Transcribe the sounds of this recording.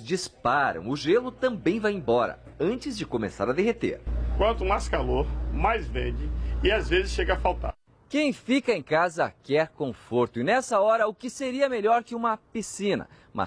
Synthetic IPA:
zd͡ʒispaɾɐ̰̃w̃ʊʒelʊt̪ɐ̃mbẽj̃vajẽbɔɾɐ̰ | ɐ̃nt͡ʃɪzd͡ʒɪkomesa̰ɾɐd̪eɦet̪ḛɾ̃kwɐ̃nt̪ʊuũaskaloɾmajzvẽd͡ʒɪɪazvezɪsʃeɡɐafawt̪a̰ | kẽj̃fikɐẽj̃kazɐkɛɾkõfoɾt̪ʊɪnɛsɐɔɾɐʊkɪseɾiɐmeʎɔɾkɪũmɐpisĩnɐ̰ | mʔɐ̰

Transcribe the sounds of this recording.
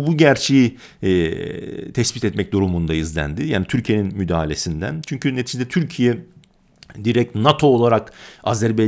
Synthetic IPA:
buɟæɾt͡ʃʰeji | t̪ʰɛsbit̪ɛt̪mɛc̚d̪uɾumund̪aizlʲæ̰nd̪ɪja̰ːnit̪ʰyɾcʰije̞ninmyd̪aːalʲe̞sind̪æ̰nt͡ʃʰyɲcʰynet̪ʰid͡ʒid̪ɛt̪ʰyɾcʰijɛ | d̪iɾɛc̚t̪nat̪ʰo̞ːlˠaɾakazæɾbe

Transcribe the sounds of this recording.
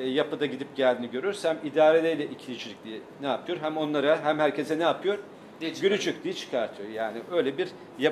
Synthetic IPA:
japɯd̪aɟid̪ip̚ɟælʲd̪iniɟø̞ɾyɾsæmid̪aːɾelʲɛjlʲɛʔicʰilʲid͡ʒʰilʲic̚d̪̥ʲijɛnɛapʰɯjo̞ɾɦæmo̞nlˠaɾaɦæmhæɾcʰe̞sɛnɛapʰɯjo̞ɾ | ɟylʲyd͡ʒyc̚ʲd̪ijɛt͡ʃʰɯ̥kʰaɾt̪ʰɯjoɾjaːniø̞jlʲɛbiɾ | ja

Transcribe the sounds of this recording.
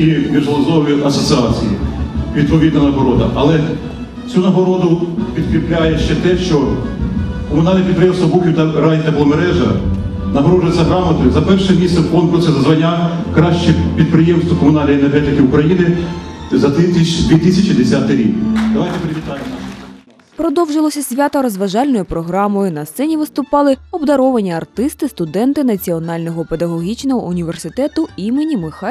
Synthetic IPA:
mʲiʒlˠɔzɔʋiʔɐsɔsɪɑt͡sʲijḭʋʲid̪̚pɔʋʲid̪nɐnɐɦɔɾɔd̪ɐ̰ʔɐlˠɛ | t͡sʲunɐɦɔɾɔd̪ʊpʲid̪̚kɾʲiplʲajɛʃt͡ʃɛt̪ɛʃt͡ʃɔ | kɔmʊnɑlʲnɛpʲid̪pɾejɛmst̪ʋɐbukʲiwt̪ɐɾɑnʲit̪ɐplˠɔmeɾɛʒɐ̰ | nɐɦɔɾɔʒɪt͡sʲːɐɦɾɑmɐt̪ʊjzɐpɛrʃɛmʲisɛwkɔnkʊɾsʲɐzɐzʋɐnʲːa | kɾɑʃt͡ʃɛpʲid̪̚pɾɪjemst̪ʋɔkɔmʊnɑlʲnɐjːnɛrɦɛt̪ɪkʲɪʊkɾɐjinɪzɐt̪ɪd̪ʋʲit̪ɪsʲɐt͡ʃid̪esʲat̪ɪjɾʲikd̪ɔʋajt̪epeɾɪʋʲit̪ɑjɪmnɑʃ | pɾɔd̪ɔwʒɪlˠɔsʲɐsʲʋʲat̪ɐɾɔzʋɐʒɑlʲnɔjʊpɾɔɦɾɑmɔjʊnɐst̪sɛnʲiʋɪst̪ʊpɑlˠɪɔbd̪ɐɾɔʋɐnʲiɐrt̪ɪst̪ɪst̪ʊd̪ɛnt̪ɪnɐt͡sʲiɔnɑlʲnɔɦɔped̪ɐɦɔɦʲit͡ʃnɔɦɔʊnʲiʋe̞rsɪt̪ɛt̪ʊimenʲimɪxɑ

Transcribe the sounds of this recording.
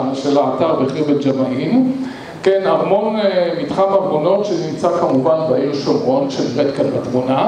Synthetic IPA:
ʃelaːtaʁbeχʁibed͡ʒamaʔin | kenamonemitχamaɡono̞tʃenimt͡sakamuvanvajinuʃomʁo̞nʃelbetkalbat̪muna

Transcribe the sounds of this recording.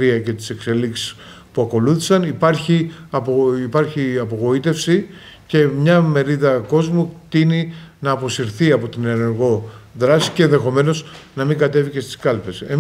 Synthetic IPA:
ɾiɐce̞t̪i̥se̞kse̞liksi̥s | puɐko̞luθi̥sɐnipɐɾçiɐpoipɐɾçiɐpo̞ɣo̞it̪e̞fsi | ce̞mɲɐme̞ɾiðɐko̞zmut̪ininɐːpo̞siɾθiɐpo̞t̪inene̞ɾɣo̞ðɾɐsi̥ceenðe̞xo̞me̞no̞znɐmiŋɡɐt̪e̞vice̞st̪i̥skɐlpe̞se

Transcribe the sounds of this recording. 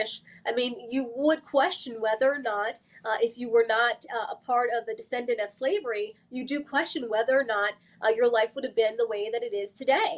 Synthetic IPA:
ʃʔaɪmĩnjɨwəd̚kʰw̥ɛst͡ʃɨ̃n̩wɛðə˞ːnəɾʔɪfjɨwə˞nəɾəpʰɑɹɾʌvðɨdɨsɛ̃ndɨ̃ntʌv̥sleɪvə˞i | jɨdɨkʰw̥ɛst͡ʃɨ̃nwɛðə˞ːnət̚ | ʔjə˞laɪfwʊɾɨvbɪ̃nðəweɪðɨɾɨɾɪz̥tʰɨdeɪ

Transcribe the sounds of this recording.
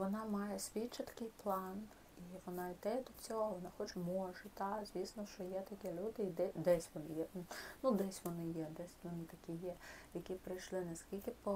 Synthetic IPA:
ʋɔnɑmɑjɛsʲʋʲit͡ʃːɐt̪ɐ̥kɪjplˠɑn | iʋɔnɑid̪ɛd̪ɔt͡sʲɔɦɔʋɔnɑxɔt͡ʃmɔʒɛt̪ɑzʲʋʲisnɔʃt͡ʃɔjɛt̪ɐkʲɛlʲud̪ɪid̪ɛd̪ɛsʲʋɔnɪjɛnud̪ɛsʲʋɔnɪjɛd̪ɛsʲʋɔnɪt̪ɐkʲijɛjɐkʲipɾɪjʃlˠɪnɐskʲilʲkɪpɔ

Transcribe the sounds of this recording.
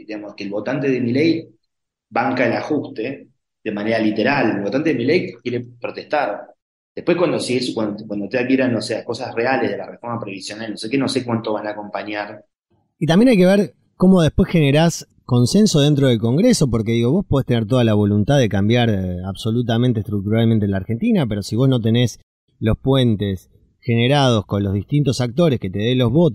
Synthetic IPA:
d̪iamoskeːlβo̞t̪ant̪e̞ðemilej | baŋkaelaxust̪e | d̪emaneɾalit̪eɾalelβt̪ant̪e̞ðemilejkjeɾepɾot̪est̪aɾ | d̪̥epwekwand̪osieskwankwand̪ot̪eakjeɾanoseako̞sasrealezðelarefo̞ɾmapɾeβisjonalnosekenosekwant̪oβ̞anaːko̞mpaɲaɾ | it̪ambjenajke̞βeɾ | ko̞moð̞ehpwe̞sxeneɾas | ko̞nse̞nsoð̞e̞nt̪̬ɾoð̞e̞lko̞ŋɡɾeso̞p̬o̞ɾke̞ðiɣo̞βo̞spo̞ð̞est̪e̞neɾt̪̬oðalaβ̞o̞lunt̪aððekambjaɾaβso̞lut̪̬ament̪est̪ɾuk̚t̪uɾalment̪enlaːɾxent̪inape̞ɾo̞siβ̞o̞snot̪e̞ne̞s | lo̞spwe̞nt̪es | xe̞neɾað̞o̞sko̞nlo̞zðiht̪int̪o̞sak̚t̪o̞ɾeske̞t̪eð̞elo̞ɦβo̞t̪

